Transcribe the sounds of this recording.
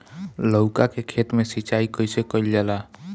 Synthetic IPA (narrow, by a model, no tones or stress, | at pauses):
ləʊkakekʰet̪mesit͡ʃaikəjsekəild͡ʒala